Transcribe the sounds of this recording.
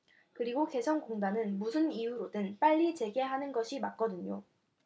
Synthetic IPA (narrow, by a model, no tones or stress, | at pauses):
kɯɾiɡoke̞sʰʌnkoŋdanɯnmusʰɯnijuɾodɯnp͈aʎːit͡ɕe̞ɡe̞ɦanɯnɡʌɕʰimak̚k͈ʌdɯɲo̰